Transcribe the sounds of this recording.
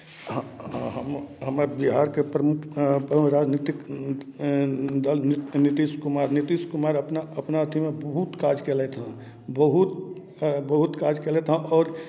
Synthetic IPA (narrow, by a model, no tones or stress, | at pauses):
aɦãɦəmɦəmabiɦaːɾkepɾəmʊkpəɾaːd͡ʒnit̪ɪk | d̪əlnnit̪iːʃkʊmaːɾnit̪iskʊmaːɾəpnaəpnaət̪ʰimẽbəɦut̪kaːd͡ʒkeːlɛt̪ʰã | bəɦut̪̚ | bəɦut̪kaːd͡ʒkelɛt̪ʰãʔɔːɾ